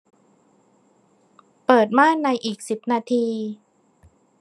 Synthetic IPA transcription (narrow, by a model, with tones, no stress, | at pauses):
pɤː˨˩t̪̚maː˥˩na˧jʔiː˨˩k̚si˨˩p̚naː˧t̪ʰiː˧